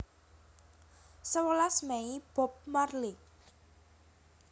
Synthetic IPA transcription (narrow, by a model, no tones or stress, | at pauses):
səwəlasmɛib̥ɔ̤p̚marli